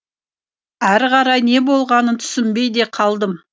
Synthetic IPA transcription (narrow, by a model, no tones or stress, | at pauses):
æɾʁɑɾɑjne̞bo̞lˠʁɑnənt̪ʰʏ̥sɪmbe̞jd̪e̞qʰɑlˠd̪əm